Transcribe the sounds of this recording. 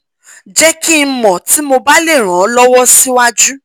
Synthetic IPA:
d͡ʒɛ˦ki˦mɔ̃˨ti˨˦mo˧ba˦le˦˨ɾ̃ã˨˦lɔ˦wɔ˦si˦wa˦d͡ʒu˦

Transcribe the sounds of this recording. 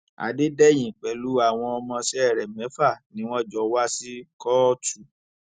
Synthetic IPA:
a̰˨de˦dɛ˦j̃ĩ˨k͡pɛ˨˦lu˨˦a˦˨w̃ɔ̃˧ɔ˧mɔ̃˧sɛ˦ɛ˦˨ɾɛ˨mɛ̃˨˦fa˦˨nĩ˨˦w̃ɔ̃˦d͡ʒɔ˧wa˦si˦kɔ˦tu˨

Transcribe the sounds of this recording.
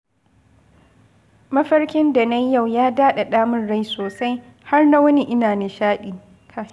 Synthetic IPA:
mɐ˦ɸɐ˦rkʲɪ˦nda˨nɐ˦jːa˦˨wjaː˦daː˦ɗa˨ɗaː˦mʊ˦nɽa˦jsoː˨sa˦j | ha˦rna˦wɐ˦ni˦ʔɪ˦naː˨nɪ˨ʃaː˦ɗiː˨ | kʰa˨

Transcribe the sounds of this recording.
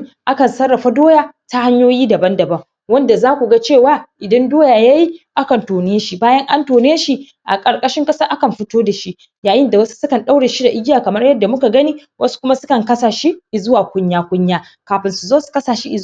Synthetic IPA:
ʔa˦kɐ˨nsɐ˦rːɐ˨ɸa˦doː˦jaː˨ta˦ha˦ɲjoː˦jiː˦dɐ˨bɐ˦ndɐ˨bɐ˦ŋ | wɐ˦nda˨zaː˦kʷu˨ɡa˦t͡ʃeː˦˨waː˦ʔɪ˨dɐ˦ndoː˦jaː˨ja˦ji˦ʔa˦kɐ˨ntoː˨nɪ˦a˦ʃi˦baː˦jɐ˦ŋʔa˦ntoː˨nː˦ʃi˦ | ʔa̰˨kʼɐ˨ɽkʼɐ˦ʃɪ˦ŋkʼɐ˦sɐ˦ʔa˦kɐ˨mɸɪ˦toː˦da˨ʃi˦ | jaː˨jɪ˦nda˨wɐ˦su̥˦sʊ˦kɐ˨nɗa˦wɽeː˨ʃi˦da˨ʔɪ˦ɡʲɪ˦jaː˨kɐ˨mɐ˦rjɐ˦dːa˨mʊ˦ka˨ɡɐ˦niː˦wʔɐ˦su̥˦kʷʊ˦ma˦sʊ˦kɐ˨ŋkɐ˦saː˨ʃi˦ʔzʊ˦waː˨kʷʊ˦ɲjaː˦kʷʊ˦ɲjaː˦ | kaː˨ɸɪ˨nsu˨zoː˦su̥˨kɐ˦saː˨ʃi˦ʔɪ˨˦

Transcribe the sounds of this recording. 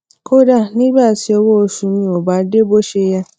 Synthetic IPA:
kʰo˦da˦˨nĩ˦ba˦˨ti˨˦ɔ˧wo˦˧ʃũ˧mĩ˧o˨ba˨˦de˦bo˦ʃe˧ja˧

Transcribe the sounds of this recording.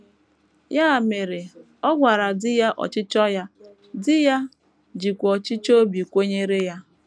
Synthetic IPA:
ja˦a˨me˨ɾe˨ | ɔ˦ɡʷa˨ɾa˨dɪ˦ja˦ʔɔ̰˨t͡ʃɪ˦t͡ʃɔ˦ja˦ | dɪ˦ja˦ | d͡ʒi˨kʷɔ˨t͡ʃɪ˦t͡ʃo˦bi˨kʷe˦ɲe˦ɾe˦ja˦

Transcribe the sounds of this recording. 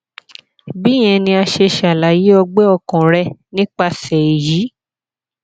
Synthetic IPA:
bi˨˦j̃ɛ̃˧nĩ˧a˧ʃe˧ʃa˨la˨ji˨˦ɔ˧ɡ͡bɛ˦ɔ˧kɔ̃˨ɾɛ˧nĩ˦k͡pa˧sɛ˨e˨ji˨˦

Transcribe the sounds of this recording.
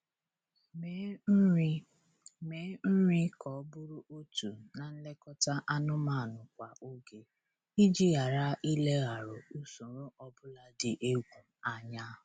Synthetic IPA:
me˨˦n̩˦ɾi˦kʰɔ˨˦bʊ˦ɾʊ˦ʔo˦tu˨na˨n̩˦le˦kɔ˦ta˦ʔa˦nʊ˦ma˦˨nʊ˨kʷa˨ʔo˦ɡe˨ | i˦d͡ʒi˦ɣa˨ɾa˦ʔi˦le˦ɣa˨ɾʊ˨u˦su˨ɾʊ˦ʔɔ˦bʊ˦la˦dɪ˨ʔe˦ɡʷu˨m̩˨a˦ɲa˦ɦ

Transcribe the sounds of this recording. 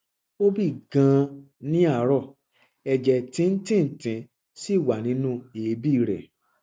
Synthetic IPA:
o˦bi˦˨ɡã˨˧ | nĩ˦a˦˨˦ɾɔ˦˨ | ɛ˨d͡ʒɛ˧˨tĩ˧˦n̩˦tĩ˦n̩˨tĩ˧ | si˦˨wa˨nĩ˧˦nũ˦e˨˦bi˦˨ɾɛ̰˨

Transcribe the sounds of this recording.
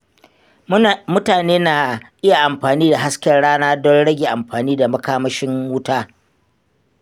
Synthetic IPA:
mʊ˦taː˨neː˦na˨ʔɪ˦ja˨ʔa˨mɸaː˨niː˦da˨ɦa˦skʲɐ˦rɽaː˦naː˦dɔ˦nɽɐ˦ɡʲe˨ʔa˨mɸaː˨niː˦da˨mɐ˦kaː˦mɐ˦ʃɪ˦mːuː˦taː˦

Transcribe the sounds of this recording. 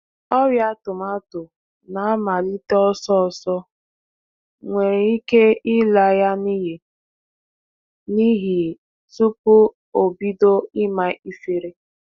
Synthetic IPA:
ɔ˦ɾja˦tʊ˨ma˦tʊ˨ | na˨a˦ma˨li˦tɔ˦sɔ˦˨sɔ˦ | ŋʷe˨ɾe˨i˦ke˦ɪ˦la˨ja˦ni˦ɦi˨ | ni˦ɦi˨ | su˦pʊ˦ | o˨bi˦do˦ɪ˦ma˦i˦fe˨ɾe˦

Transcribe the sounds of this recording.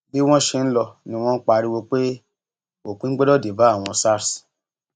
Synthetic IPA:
bi˦w̃ɔ̃˦ʃe˧n̩˦lɔ˧nĩ˧w̃ɔ̃˦n̩˦k͡pa˧ɾi˦we˧k͡pe˦ | o˦˨kũ˨˦ɡ͡bɛ˦dɔ˦˨de˨ba˨˦a˦˨w̃ɔ̃˧sa˦˨ɾs

